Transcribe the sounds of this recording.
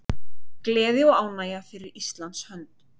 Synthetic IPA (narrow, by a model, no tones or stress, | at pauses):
klɛːðɪɔɣaːwnaːjafɪɾɪɾist̪lant̪shœnt̪